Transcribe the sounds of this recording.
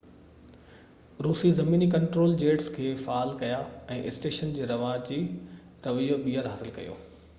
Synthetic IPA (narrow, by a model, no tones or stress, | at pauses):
ɾuːsizɐmiːnikɐ̃ɳʈɾoːld͡ʑeːʈskʰeːfaːlkɐjaɛ̃ːʔɪsʈeːʃənd͡ʑeːɾɐʋaːt͡ɕi | ɾɐʋijoɓiːəɾɦaːsɪlkɐ̰jo̰ː